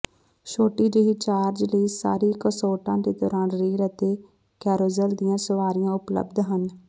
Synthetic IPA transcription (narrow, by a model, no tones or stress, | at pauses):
ʃoːʈiːd͡ʒəɦiːt͡ʃaːɾd͡ʒləiːsa̰ːɾiːkəsoːʈãːd̪eːt̪ɔːɾaːnɾiːɾət̪eː | kɛːɾoːzəld̪ijãːsəʋaːɾɪjãːʊplə̰bd̪ɦən